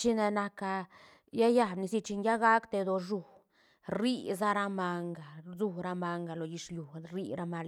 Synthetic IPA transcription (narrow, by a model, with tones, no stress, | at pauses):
t͡ʃi˦na˧na˧ka˧ | ja˦ja˧˨bni˧si˧t͡ʃi˧nja˦ɡa˦kt̪e˧d̪o˧ʐu˨ | ɾi˦za˦ɾa˦˧ma˧ŋɡa˨zu˦˧ɾa˦ma˧ŋɡa˨lo˨ɡi˧t͡ʃlju˨ɾi˦˧ɾa˧ma˧l